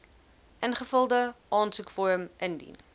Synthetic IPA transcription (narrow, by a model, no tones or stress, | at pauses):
ʔənχəfəlˠdəʔɑːnsukfɔɾəmʔəndḭn